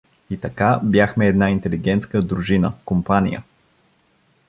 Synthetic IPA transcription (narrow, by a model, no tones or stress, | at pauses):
it̪ɐkabʲjaxmɛːd̪naint̪ɛliɡɛnt̪skəd̪ɾuʒinəkompanʲḭjə̰